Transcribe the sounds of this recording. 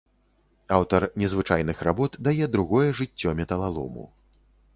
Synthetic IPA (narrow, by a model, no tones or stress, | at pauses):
awt̪ɐrnʲɛzvɨt͡ʂajn̪ɨxrabɔt̪d̪ajɛd̪ɾuɣɔjɛʐɨt͡sʲːɔmʲɛt̪ɐlˠalˠṵmṵ